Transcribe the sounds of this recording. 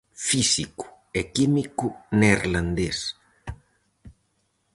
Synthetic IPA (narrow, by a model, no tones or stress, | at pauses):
fisiku̥ | ekimikuneɾlãnd̪es